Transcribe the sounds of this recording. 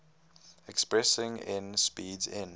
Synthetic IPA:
ɛkspɹɛsɪ̃ŋɪ̰̃nspiːdzɪ̰̃n

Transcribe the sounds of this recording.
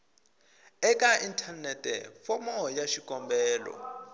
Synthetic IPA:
ɛkʼaintʰanɛtʼɛ̰fɔmɔjaʃikʼɔmbɛːlɔ̰

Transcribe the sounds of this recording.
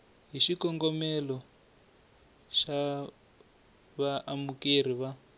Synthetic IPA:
ɦiʃikɔŋɡɔmɛlɔ | ʃa | βaʔamuker̤iβa

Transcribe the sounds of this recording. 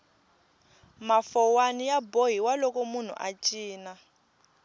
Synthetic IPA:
mafɔwanijaboɦiwalɔkʼɔmun̤ṵʔa̰t͡ʃʼiːna

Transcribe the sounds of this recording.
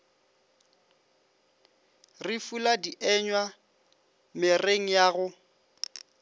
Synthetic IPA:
rɪfuladiʔɛɲwa | mɪreŋ̩jaɣʊ

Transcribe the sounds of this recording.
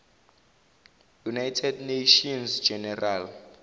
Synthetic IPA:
junajtʰɛdneʃɔnsd͡ʒɛnɛral

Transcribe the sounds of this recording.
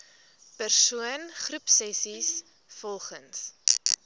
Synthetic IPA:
pərsuənχrupsɛsis | fɔlˠχəns

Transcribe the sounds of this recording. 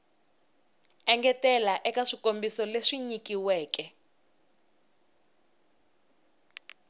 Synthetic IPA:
ɛŋɡɛtɛlaʔɛkaʂikombisɔleʂiɲikiwɛːkɛ

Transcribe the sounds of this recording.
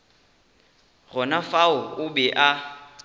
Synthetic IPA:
ɣɔnafaʊʊbɛʔa

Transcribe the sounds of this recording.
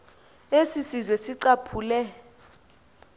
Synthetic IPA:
esisizwesiǀapʰuːlɛ

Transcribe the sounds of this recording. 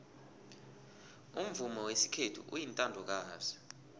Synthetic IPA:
um̩vumɔwesi̥kʰetʰṵʔṵjintʼandʱɔk̬aːzɛ

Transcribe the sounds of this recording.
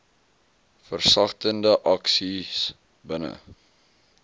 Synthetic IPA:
fərsɐχtəndəʔɐksis | bənə̰

